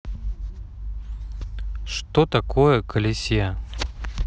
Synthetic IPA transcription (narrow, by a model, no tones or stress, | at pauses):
ʂt̪ot̪ɐkojəkəlʲɪsʲja